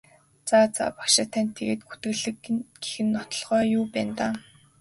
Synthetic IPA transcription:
t͡saːt͡sa̰ːpḁkʃɪ̆t̪ʰænʲt̪ʰːeɣeːt̪̚ɡu̥t̪ɘ̆ɣɮɘ̆kɡ̥e̥xɘ̆nːɔt̪ɞ̆ɮʁ̥œːjuːpæːnt̪aː

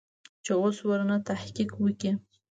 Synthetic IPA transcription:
t͡ʃeoswəɾnat̪ahkiqwəkʲi

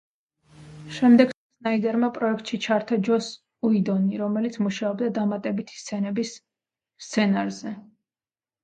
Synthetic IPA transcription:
ʃɛmd̪ɛɡ̥sɛsnaid̪ɛɾmapʼɾɔɛk̚ʰt̪ʼʃit͡ʃʰaɾt̪ʰad͡ʒɔs | uid̪ɔniɾɔmɛlit̪sʰmuʃaɔbd̪ad̪amat̪ʼɛbit̪ʰi̥st̪sʰɛnɛbisː | t̪sʰɛnaɾzɛ

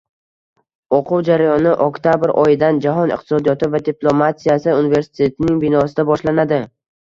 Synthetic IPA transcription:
oqʰʊwd͡ʒaɾajɒnɪʔokt̪ʰabɪɾʔɒjɪd̪and͡ʒaɦɒnɪ̰qt̪ɪ̥sɒd̪ijɒt̪ɪvad̪iplˠomat̪ijasɪunɪve̞ɾsɪ̥t̪ʰe̞t̪ʰɪnɪŋbɪnɒsɪd̪abɒʃlanad̪ɪ

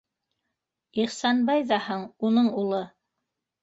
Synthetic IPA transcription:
iχsɑnbɑjðɑhɤɴunɤɴulˠɤ

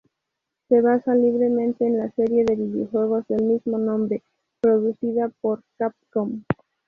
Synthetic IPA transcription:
se̞βasaliβ̞ɾe̞mẽ̞nt̪eːnlase̞ɾje̞ðeβiβjoxwe̞ɣ̞o̞zðe̞lmizmo̞nõ̞mbɾe̞ | pɾo̞ðuθiðapo̞ɾkap̚kom

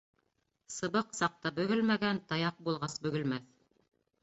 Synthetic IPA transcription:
sɤ̆βɤqsɑq̚t̪ɑbɵ̆ɡɵlmæɡænt̪ɑjɑq̚bulˠʁɑsbɵ̆ɡɵ̆lmæθ

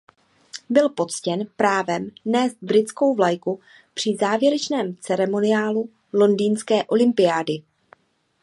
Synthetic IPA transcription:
bɪlpo̞tt͡scɛnpɾaːvɛmnɛːst̪̚bɾɪtt͡sko̞wvlajku | pr̝̥ɪzaːvjɛɾɛt͡ʃnɛːmt͡sɛɾɛmo̞nɪaːlu | lo̞ndiːnskɛːʔo̞lɪmpɪjaːdɪ

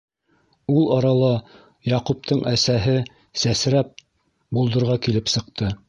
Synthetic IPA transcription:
ulˠɑɾɑlˠɑ | jɑqup̚t̪ʰɤɴʔæsæɦɘ | sæsɾæp̚ | bulˠd̪ɤ̆ɾʁɑkilɘpsɤ̆qt̪ɤ

